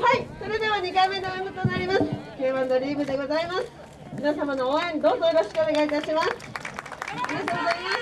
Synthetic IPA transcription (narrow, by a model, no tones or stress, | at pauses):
haiso̞ɾe̞d̪e̞βaɲ̟ikaimːe̞d̪oẽhot̪onaɾʲimasɨ̥kʲeːβãno̞ɾʲiːbɯ̟d̪e̞ɡo̞zaimasɨ̥ | mʲinasamano̞oẽnd̪o̞ːzo̞jo̞ɾo̞ɕi̥kɯo̞ne̞ɡait̪aɕimasɨ̥ | mʲinat̪oɡozaima